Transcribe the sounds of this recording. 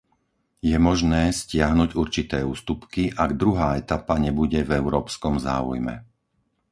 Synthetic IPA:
jɛmɔʒnɛːscɪaɦnuɟuɾt͡ʃit̪ɛːuːst̪upkiʔaɡd̪ɾuɦaːɛt̪apaɲɛbuɟɛvɛʊɾɔːpskɔmza̰ːṵjmɛ̰

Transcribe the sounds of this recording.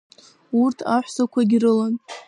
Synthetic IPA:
urtʰaħʷsakʷʰaɡʲirɨlan

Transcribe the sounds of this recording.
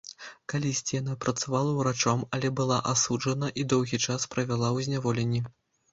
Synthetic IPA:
kalʲisʲt͡sʲijanapɾɐt̪savalˠɐwɾat͡ʂɔmɐlʲɛbɨlˠaʔasuʐɐnɐʔid̪ɔwɣʲit͡ʂaspɾɐvʲalˠawzʲnʲavɔlʲenʲːi

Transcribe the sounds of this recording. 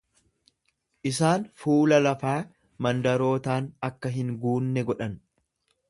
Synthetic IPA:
ʔɪsaːnfuːlɐlɐfaː | mɐnd̪ɐɾo̞ːt̪aːnɐkːɐɦɪŋɡuːnːɛɡɔᶑɐn

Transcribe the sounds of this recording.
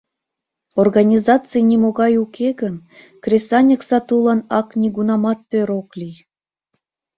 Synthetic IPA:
orɣɑnʲizɑt͡sɨjnʲimoɣɑjukʰeɣən | krʲesɑnʲə̆ksɑt̪ulˠɑnɑknʲiɡunɑmɑt̪ːøɾoklʲij

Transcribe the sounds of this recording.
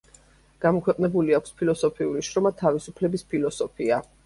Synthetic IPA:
ɡ̥amɔkʰwɛqʼnɛbuliakʰʷspʰilɔsɔpʰiuliʃɾɔmat̪ʰavisupʰlɛbispʰilɔsɔpʰia

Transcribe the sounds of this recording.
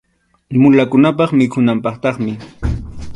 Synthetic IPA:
mʊlakʊnapɑχmɪkʰʊnampɑχt̪ɑχmɪ

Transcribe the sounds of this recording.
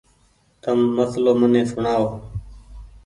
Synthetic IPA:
t̪əmːəsloːmənẽːsʊɳaːoː

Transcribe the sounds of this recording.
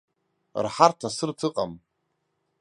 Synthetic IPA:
rħartʰasɨrtʰɨqʼam

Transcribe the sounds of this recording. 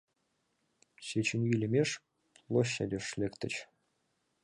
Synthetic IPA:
ɕet͡ɕʰɘ̆nʲjilʲemʲeʂ | lˠoɕːædʲeʂlʲekt̪ʲɘ̆t͡ɕ

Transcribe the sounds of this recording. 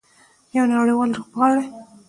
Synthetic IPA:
jawnaɽiwɑlɾoɣbɣɑɽe

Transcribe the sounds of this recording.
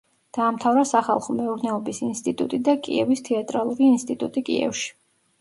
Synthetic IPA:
d̪̥aːmt̪ʰavɾasaχa̰lˠχɔmɛuɾnɛɔbisinst̪ʼit̪ʼṵt̪ʼid̪akʼḭɛvist̪ʰɛat̪ʼɾalˠuɾiːnst̪ʼit̪ʼut̪ʼikʼḭɛ̰fʃi̥

